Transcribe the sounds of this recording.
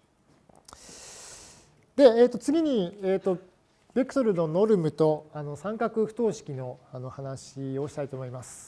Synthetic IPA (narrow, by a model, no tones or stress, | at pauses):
d̪e̞eːt̪ːo̞t͡sɨɡʲiɲ̟ieːt̪o̞ | b̥ʲekɯ̟̥t̪o̞ɾɯ̟no̞no̞ɾɯ̟mɯ̟t̪o̞ano̞sãŋkakɯ̟ɸɯ̥t̪o̞ːɕi̥kʲino̞ano̞hanaɕio̞ɕi̥t̪ait̪o̞ːmo̞imasɨ̥